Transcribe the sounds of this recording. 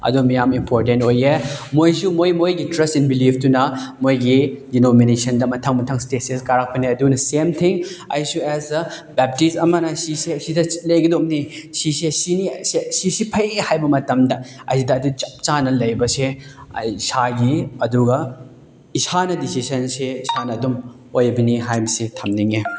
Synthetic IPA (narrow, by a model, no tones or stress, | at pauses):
ɐ̰dumijamimpʰoɾtentojemojsumojmojɡitɾɐstinbilipʰtunɐmojɡidinominesɐndɐmɐtʰɐŋmɐtʰɐŋsteseskaɾak̚pɐniɐdunɐsemtʰiŋɐ̰jsuɛzɐbɛp̚tisɐmɐnɐsiseɐsidɐlɐjɡɐdomnisisesinisesisipʰɐjehajbɐmɐtɐmdɐɐ̰sidɐːdut͡ʃɐp̚t͡ʃanɐlɐjbɐsḛ | isaɡiɐduɡɐ | isanɐdisisɐnseisanɐːdum | ojbɐniɦajbɐsetʰɐmniŋe